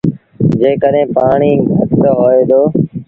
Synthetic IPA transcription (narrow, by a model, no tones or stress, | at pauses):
d͡ʒeːkəɗɦẽːpaːɳiːɡʱət̪t̪oɦoːeːd̪oː